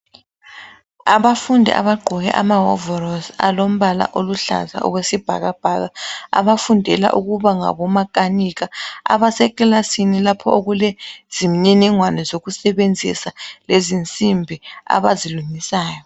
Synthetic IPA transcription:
aβafundʱɛ̰ʔa̰βaɡ͡ǃʱɔɣɛ̰ʔa̰maɦɔ̰vɔrɔsa̰lom̩βala̰ʔoluɬa̰za̰ɔ̰wesib̥ʱa̰ɣab̥ʱaɣaa̰βafundʱɛla̰ʔuɣuβaŋa̰βɔmakʼaniɣaa̰βasɛkʼlasinilapʰɔoɣulɛz̥im̩ɲinɛŋwanɛzoɣusɛβend͡zʱḭsalezint͡sʼimbʱia̰βaziluŋisaːjɔ

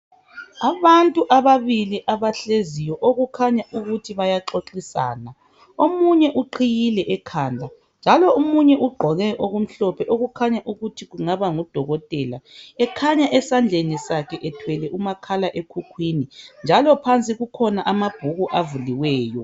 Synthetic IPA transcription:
aβantʼuʔaβaβiliʔaβaɬezijɔʔoɣukʰaɲaʔuɣutʰiβajaǁoǁisa̰ːna | omuɲɛʔuǃʰijilɛʔɛkʰand͡ɮʱa | nd͡ʒʱalɔumuɲɛʔuɡ͡ǃʱɔɣɛʔoɣum̩ɬɔpʰɛʔoɣukʰaɲaʔuɣutʰiɣuŋaβaŋud̥ʱɔɣɔtʼɛlaɛkʰaɲaʔɛsand͡ɮʱenisakʰɛʔɛtʰwɛlɛʔumakʰalaʔekʰukʰwinind͡ʒʱalɔpʰant͡sʼiɣukʰɔnaʔamab̥ʱuɣuʔavuliwɛːjɔ

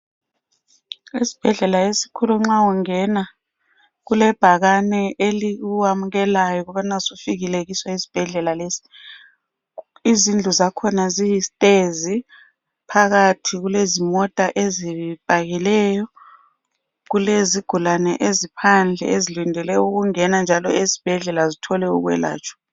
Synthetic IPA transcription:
isi̥b̥ʱɛɮɛlaesi̥kʰuluŋ͡ǁauŋɛna | ɣulɛb̥ʱaɣanɛʔeliuwamuɣɛlajɔɣɔβanasufiɣileɣiswaisi̥b̥ʱɛɮɛlaleːsi̥ | izind͡ɮʱuzakʰɔnazijistʼezi | pʰaɣatʰiɣulezimɔtʼaʔezib̥ʱaɣilɛːjɔ | ɣuleziɡ̥ʱulanɛ̰ʔezipʰand͡ɮʱɛ̰ezilindʱɛlɛjuɣuŋɛnand͡ʒʱalɔ̰ezi̥b̥ʱɛɮɛlazitʰɔlɛṵɣwɛ̰la̰ːt͡ʃʰʼɔ̥

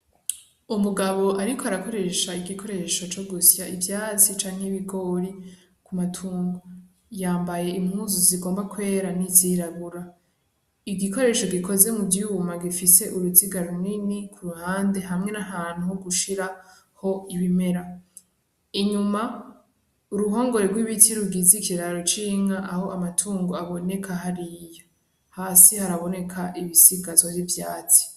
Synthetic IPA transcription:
umuɡaβo̞ʔaɾikoaɾako̞ɾe̞ʃaiɡikʰo̞ɾe̞ʃo̞t͡ʃo̞ɡusjaivjaːt͡sit͡ʃaːŋheiβiɡo̞ːɾi | kumatʰuːŋɡo | jaːmbaje̞imhuːzuziɡoːmbakwe̞ːɾaniziɾaβuɾa | iɡiko̞ɾe̞ːʃoɡiko̞ze̞muvjumaɡifise̞ʔuɾuziɡaɾumninikʰuɾuhaːnde̞ɦamŋe̞naɦaːn̥uhoɡuʃiɾa | ho̞iβime̞ɾa | iɲuma | uɾuɦo̞ːŋɡo̞ɾeɡwiβitʰiɾuɡizikiɾaɾot͡ʃiŋaʔahoʔamatʰuːŋɡoaβo̞ne̞kʰaɦaɾijo̞ | haːsihaɾaβo̞ne̞kʰaʔiβisiɡazwoivjaːt͡si̥

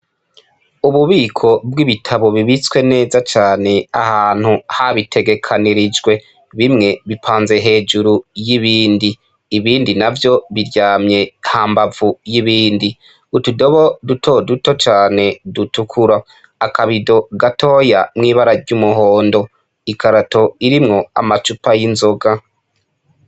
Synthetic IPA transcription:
uβuβiːkʰo̞bɡiβitʰaβo̞βiβit͡swe̞ne̞ːzat͡ʃaːne̞a̰haːn̥huhaβitʰe̞ɡe̞kʰaniɾid͡ʒɡwe̞ | βimŋe̞βipʰaːnze̞ɦe̞ːd͡ʒuɾujiβiːndiː | βiːndinavjo̞βiɾɟaːmɲe̞hambavujiβiːndi | utudo̞βo̞dutʰo̞duto̞t͡ʃaːne̞dutukʰuɾaː | kaβido̞ɡatʰo̞ːjamŋiːβaɾaɾɟumuɦo̞ːndo̞ | ikaɾato̞iɾimŋo̞a̰mat͡ʃupajinzo̞ɡa

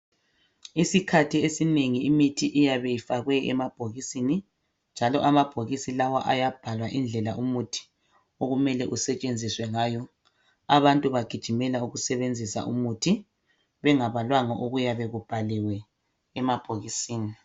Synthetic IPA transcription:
isikʰatʰiesineŋiimitʰiʔijaβejifaɣwɛɛ̰mab̥ʱoɣisini | nd͡ʒʱalɔʔamab̥ʱoɣisilawaʔajab̥ʱalwaʔind͡ɮʱɛlaʔumutʰi̥ | oɣumɛlɛʔusɛt͡ʃʼend͡zʱiswɛŋaːjɔ | aβantʼuβaɡ̥ʱi̥ʒ̥ʱimɛlauɣusɛβend͡zʱisa̰ʔṵmutʰi | βɛŋaβalwaŋɔʔoɣujaβeɣub̥ʱaliwɛː | mab̥ʱoɣisiːni

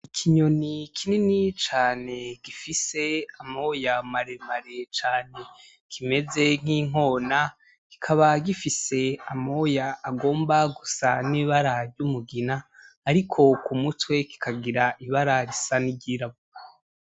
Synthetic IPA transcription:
ikʰiɲonikʰininit͡ʃaːne̞ɡifise̞amojamaɾemaɾe̞t͡ʃaːne̞ | kʰime̞ze̞ŋ̥iːŋ̥o̞ːna | ki̥kʰaβaɡifise̞amo̞jaːɡo̞ːmbaɡusaniːβaɾaɾɟumuɡinaː | ɾikʰo̞kumutwe̞ki̥kʰaɡiɾaʔiβaɾaɾisaniɟiːɾaβua

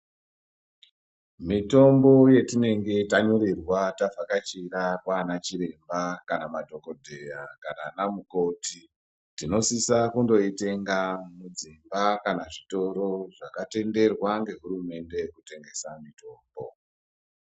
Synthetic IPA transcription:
mito̞mbo̞je̞tine̞ŋɡe̞taɲoɾirwatavakat͡ʃirarwanat͡ʃiɾe̞mbakanamadʱo̞ko̞dʱe̞jakananamuko̞ti | tino̞sisakundo̞ite̞ŋɡamud͡zimbakanaʐito̞ɾo̞ʐakate̞nde̞rwaŋɡe̞ɦuɾume̞nde̞kute̞ŋɡe̞samito̞ːmbo̞̰

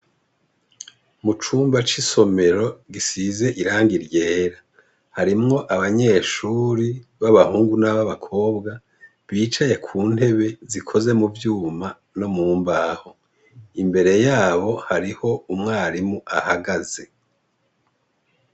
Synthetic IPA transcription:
mut͡ʃuːmbat͡ʃiso̞me̞ɾo̞ɡisize̞ʔiɾaːŋɡiɾje̞ːɾa | haɾimŋo̞ʔaβaɲe̞ːʃuːɾiβaβahuːŋɡunaβaβakʰo̞ːbɡa | βiːt͡ʃaje̞kʰuːn̥he̞βe̞zikʰo̞ze̞muvjuːma | no̞muːmbaho̞ | imbe̞ɾe̞jaːβo̞haɾiho̞umŋaːɾimuʔahaɡaze̞

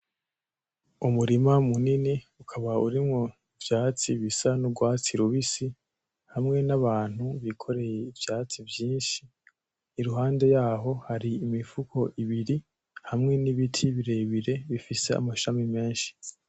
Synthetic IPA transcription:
umuɾimamuniniukʰaβauɾimŋo | ivjaːt͡siβisanuɡwaːt͡siɾuβisi | hamŋe̞naβaːn̥huβikʰo̞ɾe̞jeivjaːt͡sivjiːnʃi | niɾuɦaːnde̞jaːɦo̞haɾiːmifukʰo̞ʔiβiɾi | hamŋe̞niβitʰiβiɾe̞βiɾe̞βifise̞a̰maʃamime̞ːnʃi̥

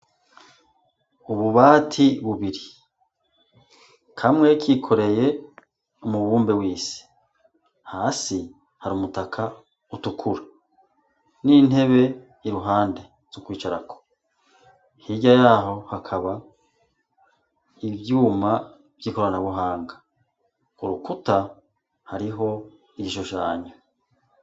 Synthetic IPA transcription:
uβuβaːtʰiβuβiɾi | kʰamŋe̞kikʰo̞ɾe̞je̞ | umuβuːmbewiːsi̥ | haːsi | haɾuːmutakʰa | utukʰuɾa | nin̥he̞βe̞ | iɾuɦaːnde̞ | zukwiːt͡ʃaɾakʰo̥ | hiɟajaːɦo̞hakʰaβa | ivjuːma | vjiːko̞ɾanaβuɦaːŋɡa | uɾukuta | haɾiɦo̞ | iiʃoʃaːɲo

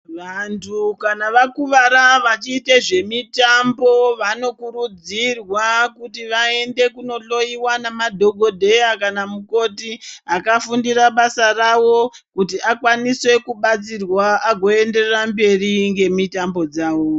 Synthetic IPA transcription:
ʋantʰukanaʋakuʋaɾaʋat͡ʃiːteʐe̞mitambo̞ʋano̞kuɾud͡zirwakutiʋae̞nde̞kuno̞ɬo̞jiwanamadʱo̞ɡʱo̞dʱe̞jakanamuko̞tiakafundiraɓasarawo̞ | kutiʔakwaniswe̞kuɓat͡sirwaʔaɡʱo̞e̞nde̞rrambe̞riŋɡe̞mitambo̞d͡zaːwo̞

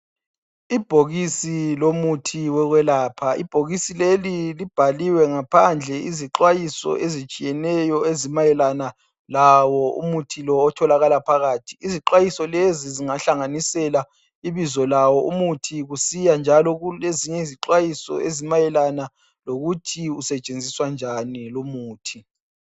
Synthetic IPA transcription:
ib̥ʱoɣisilomutʰiwɛɣwɛlaːpʰaḭb̥ʱoɣisilelilib̥ʱaliwɛŋapʰand͡ɮʱɛiziǁwajisɔ̰ʔezit͡ʃʼijɛnɛjɔezimajɛlana | lawɔṵmutʰilɔːtʰɔlaɣalapʰaɣaːtʰiːziǃwajisɔleziziŋaɬaŋanisɛla | iβizɔlawɔumutʰiɣusijand͡ʒʱalɔɣuleziɲɛiziǃwajisɔ̰ʔezimajɛlana | loɣutʰiusɛt͡ʃʼend͡zʱiswand͡ʒʱanilomuːtʰi

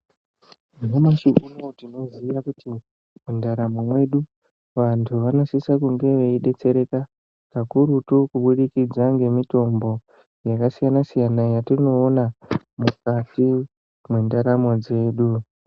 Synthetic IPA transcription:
inomaʃuʔunotino̞zijakuti | mundaɾamomwe̞ɗu | ʋantʰuʋano̞sisakuŋɡe̞ʋeiɗe̞t͡se̞ɾe̞ka | kakuɾutukuɓuɗikid͡zaŋɡe̞mito̞mbo̞ | jakasijanasijanajatino̞ːna | mukati | mwe̞ndaɾamo̞d͡ze̞ːɗu

